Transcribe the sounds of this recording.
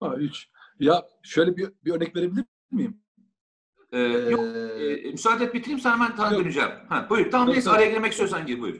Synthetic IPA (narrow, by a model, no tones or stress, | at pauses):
ait͡ʃjaʃøjlʲɛbibiøɾnɛcve̞ɾebilʲiɾbilʲiɾmijim | ɛːjɔ | mysaːd̪ɛt̪̚bit̪ʰiɾimsanamænt̪ʰanad̪ønyd͡ʒɛ̰mhæbujuɾt̪ʰamamnesaɾajaɡilʲemɛcist̪ʰjosænɟiibujṵɾ